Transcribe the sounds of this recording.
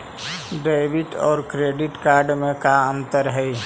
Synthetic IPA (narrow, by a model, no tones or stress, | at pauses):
ɖaɪbiʈɔ̰ːɾkɾeɖiʈkaɾɖmẽkaənt̪əɾɦəj